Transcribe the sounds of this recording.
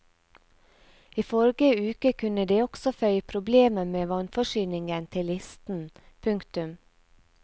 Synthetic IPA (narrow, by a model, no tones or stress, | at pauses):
iːfɔɾɡəʉːkəkʰʉnəd̪eːɔɡ̥sɔfœʏpʰɾʊbleːməmeːʋɑnfɔʃyːnɪŋɡənt̪ʰɪlɪst̪n̩ | pʰʉŋkt̪ʉm